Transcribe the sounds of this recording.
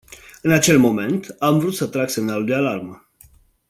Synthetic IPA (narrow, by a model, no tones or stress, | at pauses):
ɨnat͡ʃe̞lmo̞me̞nt̪amvɾut̪sət̪ɾaɡsemnalud̪ealarmə